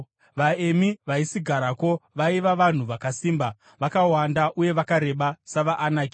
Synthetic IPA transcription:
ʋaemiʋaisiɡʱaɾako̞ʋaiʋaʋan̤uʋakasiːmba | ʋakawandaʔuje̞ʋakaɾe̞ɓasaʋaʔːnaːki

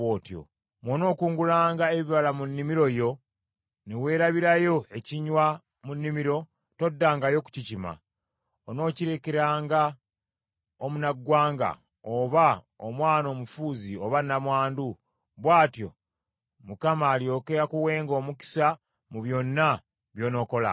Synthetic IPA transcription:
oːtjo̞̰ | mwono̞ːkuːŋɡulaːŋɡaeβiβalamunːimiɾo̞jo̞ | newe̞ːɾaβiɾajo̞e̞ciɲwa | munːimiɾo̞ | to̞dːaːŋɡajo̞ku̥cicima̰ | ono̞ːciɾe̞ke̞ɾaːŋɡa | omunaɡːwaːŋɡa̰ | oβa | o̰mwaːno̞ːmufuːzio̞βanːamwaːndu | βwaːtjo̞̰ | mukamaːljo̞ːke̞ɾakuwe̞ːŋɡo̞ːmuki̥sa | muβjo̞nːa | βjo̞ːno̞ːko̞la̰

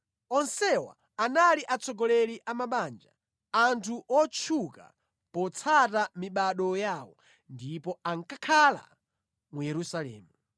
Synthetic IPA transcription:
ɔnsɛwa̰ | analiʔat͡sʰɔɡɔlɛliʔamaɓand͡ʒa | antʰuʔɔt͡ʃʰuka̰ | pɔt͡sʰatamiɓaɗɔjawɔ | ndipɔaŋkakʰala̰ | mujɛɾusalɛ̰ːmu

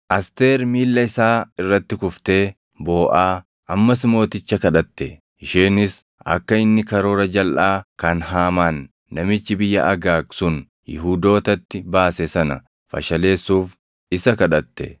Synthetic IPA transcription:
ʔɐst̪e̞ːɾmiːlːɐɪsaːɪrːɐt̪ːɪkʊft̪e̞ː | bo̞ːʔaː | ʔɐmːɐsɪmo̞ːt̪ɪt͡ʃːɐkɐᶑɐt̪ːɛ | ɪʃeːnɪs | ɐ̰kːɐɪnːɪkɐɾo̞ːɾɐd͡ʒɐlʔaːkɐnɦaːmaːnː | ɐmɪt͡ʃːɪbɪjːɐ̰ʔɐɡaːksʊn | jɪ̰ɦuːd̪o̞ːt̪ɐt̪ːɪbaːsɛsɐnɐ̰ | fɐ̰ʃɐle̞ːsːuːf | ɪsɐkɐᶑɐt̪ːɛ̰

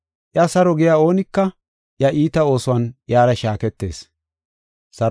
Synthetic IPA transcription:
ʔjɐsɐɾɔɡɪjaːo̞ːnɪkːɐ | ʔjɐʔiːt̪ɐo̞ːsʊwɐnʔjaːɾɐʃaːkɛt̪ːe̞̰ːs | sɐɾ

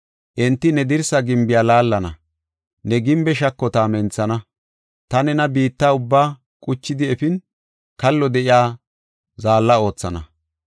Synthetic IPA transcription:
ʔɛnt̪ːɪnɛd̪ɪɾsɐɡɪmbɪjaːlaːlːɐnɐ̰ | nɛɡɪmbɛʃɐkːɔt̪aːmɛnt͡sːɐnɐ | t̪ɐnɛnɐbiːt̪ːaːʊbːaː | kʼʊt͡ʃːɪd̪ɪɛfɪn | kɐlːɔd̪ɛʔɪjaː | zaːlːɐo̞ːt͡sːɐnɐ̰

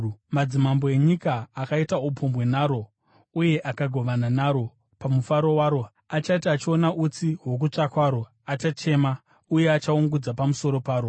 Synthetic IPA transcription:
mad͡zimambo̞e̞ɲikaːkaitaupombwe̞naːɾo̞ | uje̞ʔakaɡʱo̞ʋananaɾo̞ | pamufaɾo̞waːɾo̞ | at͡ʃaitaːt͡ʃio̞naʔut͡siɦwo̞k̬ut͡ʂakwaɾo̞ | at͡ʃat͡ʃe̞ma | uje̞at͡ʃauŋɡud͡zapamuso̞ɾo̞paːɾo̞

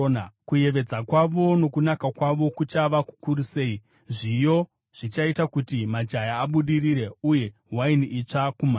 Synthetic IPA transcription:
nkuje̞ʋe̞d͡zakwaʋo̞no̞kunakakwaʋo̞kut͡ʃaʋaku̥kuɾuse̞i | ʐijo̞ | ʐ̥it͡ʃaitakutimad͡ʒajaːɓuɗiriɾe̞uje̞ | ɦwainiʔit͡ʂakuma

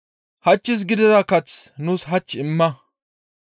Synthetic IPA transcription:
hɐt͡ʃːɪs̬ɡɪd̪ɪzɐkɐt͡snuːsɦɐt͡ʃːɪmːɐ

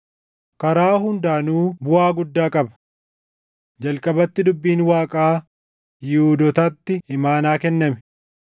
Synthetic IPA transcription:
kɐɾaːɦʊnd̪aːnuːbʊaːɡʊd̪ːaːkʼɐbɐ̥ | d͡ʒɐlkʼɐbɐt̪ːɪd̪ʊbːiːnwaːkʼaː | jɪhuːd̪ɔt̪ɐt̪ːɪɪmaːnaːkɛnːɐmɛ

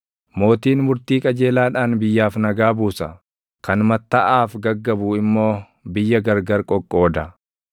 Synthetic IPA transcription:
mo̞ːt̪iːnmʊɾt̪iːkʼɐd͡ʒe̞ːlaːᶑaːnbɪjːaːfnɐɡaːbuːsɐ | kɐnmɐt̪ːɐʔaːfɡɐɡːɐbuːɪmːo̞ː | bɪjːɐɡɐɾɡɐɾkʼɔkʼːo̞ːd̪ɐ

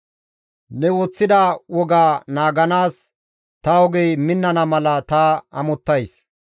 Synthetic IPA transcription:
nɛwɔt͡sːɪd̪ɐwɔɡaːnaːɡɐnaːs | t̪ɐɔɡɛjmɪnːɐnɐmɐlɐt̪aɐmɔt̪ːɐjs

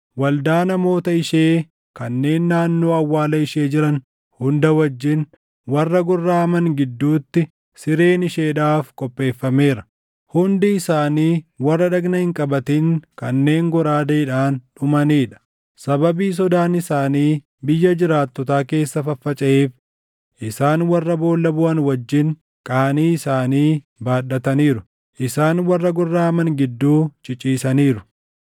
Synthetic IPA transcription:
wɐld̪aːnɐmo̞ːt̪ɐɪʃeː | kɐnːe̞ːnːaːnːo̞ːɐwːaːlɐɪʃe̞ːd͡ʒɪɾɐn | hʊnd̪ɐwɐd͡ʒːɪn | wɐrːɐɡɔrːaːɐmɐŋɡɪd̪ːuːt̪ːɪ | sɪɾe̞ːnɪʃe̞ːᶑaːfkʼɔpʼːe̞ːfːɐme̞ːɾɐ̥ | hʊnd̪ɪːsaːniːwɐrːɐᶑɐɡnɐhɪŋkʼɐbɐt̪iŋkɐnːe̞ːŋɡɔɾaːd̪ɐɪᶑaːnᶑʊmɐniːᶑɐ̥ | sɐbɐbiːs̬ɔd̪aːnɪsaːniː | bɪjːɐd͡ʒɪɾaːt̪ːɔt̪aːke̞ːsːɐfɐfːɐt͡ʃʼɐeːf | ʔɪsaːnwɐrːɐbo̞ːlːɐbʊʔɐnwɐd͡ʒːɪŋ | kʼɐːɐniːɪsaːniː | baːɗɐt̪ɐniːɾʊ | ʔɪsaːnwɐrːɐɡɔrːaːmɐŋɡɪd̪ːuːt͡ʃʼɪt͡ʃʼiːsɐniːɾʊ̥

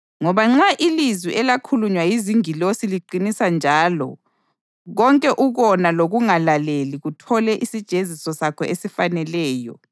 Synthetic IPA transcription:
ŋɔβaŋ͡ǁaʔilizwiʔɛlakʰuluɲwajiziŋilosiliǃinisand͡ʒʱaːlɔ̰ | ɣɔŋkʼɛʔuɣɔnaloɣuŋalaleliɣutʰɔlɛʔisid̥ʒ̥ʱezisɔsakʰɔesifanɛlɛːjɔ̰

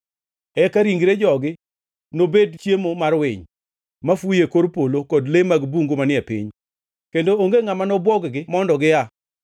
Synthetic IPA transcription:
ɛkaɾiŋɡɾed͡ʒɔɡɪ | nobedt͡ʃjemomarwɪɲ | mafujekoɾpolokɔdlemaɡbuŋɡomanɪɛpḭɲ | kendooŋɡeŋamanɔbwɔɡɡɪmɔndɔɡɪja

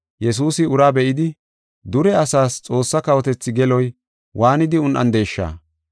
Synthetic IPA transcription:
jɛs̬uːsɪʊɾaːbɛʔɪd̪ɪ | d̪ʊɾɛɐsaːst͡sʼo̞ːsːɐkɐwɔt̪ɛt͡sːɪɡɛlɔj | wʔaːnɪd̪ɪʊnʔɐ̰nd̪e̞ːʃːa̰ː

